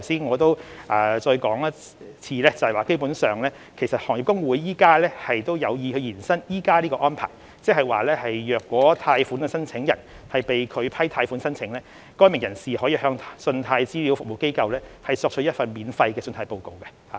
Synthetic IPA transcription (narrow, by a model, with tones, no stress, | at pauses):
t̪ʰwsiː˥nŋɔː˨˧t̪o˥wʔaː˨˩t͡ʃɔː˧jkɔː˨˥ŋɐ˥ | t͡sʰiː˧lɛː˥t͡sɐ˨hwaː˨˩ke˥jpuː˨˥nsœː˨ŋlɛː˥ | kʰe˨˩sɐ˨t̚hɔː˨˩ŋji˨p̚kʊ˥ŋwuː˨˥jːiː˥kaː˥lɛː˥hɐ˨jt̪o˥wjɐ˨˧wjiː˨˧hɵ˨˧ɥjiː˨˩nsɐ˥njiː˥kaː˥liː˥kɔː˧ʔɔː˥npʰa̰ː˨˩j | t͡sɛ˥k̚hɐ˨jwaː˨lɛː˥hɐ˨jjœː˨kːwɔː˨˥t̪ʰaː˧jfuː˨˥nkɛ˧sɐ˥nt͡sʰɪ˨˥ŋjɐ˨˩n | hɐ˨jpe˨jkʰɵ˨˧pʰɐ˥jt̪ʰaː˧jfuː˨˥nsɐ˥nt͡sʰɪ˨˥ŋlɛː˥ | kɔː˥jmɪ˨˩ŋjɐ˨˩nsiː˨hɔː˨˥jiː˧hœː˧ŋʰsɵ˧nt̪ʰaː˧jt͡siː˥li˨˥wfʊ˨k̚wo˨wke˥jkɐ˧wlɛː˥hɐ˨jsɔː˧k̚t͡ʃ̚ʰjɐ˥t̚fɐ˨nmiː˨˥nfɐ˧jkɛː˧sɵ˧nt̪ʰaː˧jpo˨˧wko˨wkɛ˧haː˨